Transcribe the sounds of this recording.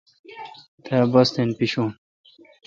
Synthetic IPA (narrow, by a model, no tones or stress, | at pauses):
t̪ebɐst̪enpiɕuːm